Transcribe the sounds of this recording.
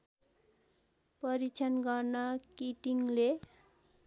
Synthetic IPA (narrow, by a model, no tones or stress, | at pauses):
pʌɾit͡sʰʌnɡʌrnʌkiʈiŋle